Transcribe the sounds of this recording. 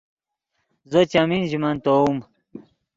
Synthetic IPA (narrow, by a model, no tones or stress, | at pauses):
zot͡ɕaminʑimant̪oum